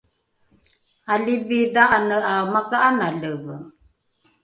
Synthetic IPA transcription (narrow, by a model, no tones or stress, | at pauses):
aliviðaʔanəʔamakaʔanaləvə